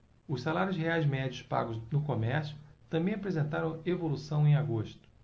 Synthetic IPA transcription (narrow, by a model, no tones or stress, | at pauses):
ʊssalaɾjʊsheajzmɛd͡ʒiʊspa̰ɡʊznʊkomɛɾsjʊt̪ɐ̃mbẽj̃apɾezẽnt̪aɾɐ̃w̃evolusɐ̃w̃ẽj̃aɡoʃt̪ʊ̥